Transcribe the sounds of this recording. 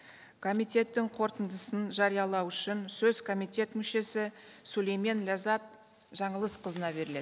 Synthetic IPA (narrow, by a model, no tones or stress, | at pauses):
kʰo̞mijt̪e̞t̪ːɪŋqʰo̞ɾt̪ənd̪əsənʒɑɾijɑlˠɑwʏʃɪnsɵzkʰo̞mijt̪e̞t̪mʏʃe̞sɪsulejmenlʲazɑt̪̚ | ʒ̥ɑɴəlˠəsqʰəzənɑbe̞ɾɪle̞d̪